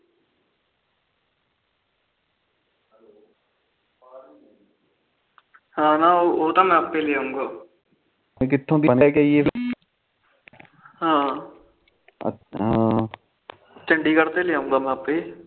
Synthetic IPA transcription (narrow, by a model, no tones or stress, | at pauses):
ɦãːnaːooːt̪amɛ̃aːpːeleaːɦũːŋɡaː | ẽk̬ɪt̪ʰːõːd̪iənekeie | ɦãː | ə̰ɦãː | t͡ʃə̃ɳɖikəɾt̪eleaːũːŋɡaːmɛ̃apːe